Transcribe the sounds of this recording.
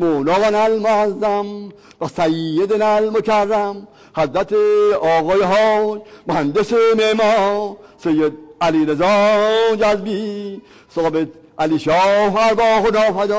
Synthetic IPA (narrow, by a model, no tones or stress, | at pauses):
moːnɔːɣanalmoazːam | basajjed̪enalmokʰarːam | hazɾat̪ʰeɔːɣɔːjeɦɔːd͡ʒmohand̪esememɔsejːed̪̚aliɾezɔd͡ʒazbi | soːbet̪ | aliʃɔːfaɾbɔːɣonɔːfad̪ɔː